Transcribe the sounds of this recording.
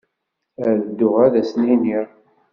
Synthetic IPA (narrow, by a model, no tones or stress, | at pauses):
æðəd̪ːʊʁæðæsniniɾ